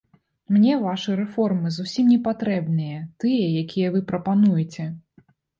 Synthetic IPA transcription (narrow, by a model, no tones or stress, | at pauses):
mnʲɛvaʂɨɾɛfɔrmɨzusʲimnʲɛpat̪ɾɛbnɨjɐt̪ɨjɐjakʲijɐvɨpɾɐpanujɛt͡sʲɛ